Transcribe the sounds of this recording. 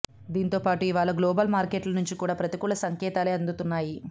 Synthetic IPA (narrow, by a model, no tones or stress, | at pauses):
d̪iːnit̪o̞ːpaːʈuiʋaːɭɐɡlɔːbɐlmaːɾkeʈlɐnuɲt͡ʃikuːɽaːpɾɐt̪ikuɭɐsɐŋkɛːt̪aːleːɐnd̪ut̪unːaːji